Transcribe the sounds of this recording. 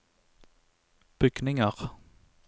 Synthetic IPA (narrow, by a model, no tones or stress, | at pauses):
b̥ʏɡ̥nɪŋəʁ